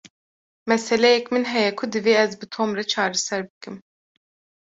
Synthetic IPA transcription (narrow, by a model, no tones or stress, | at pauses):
mɛsɛlɛjɛkmɨnɦɛjɛkʰʊd̪ɨveːɛzbɨt̪ʰomɾɛt͡ʃʰɑːɾɛsɛɾbɨkɨm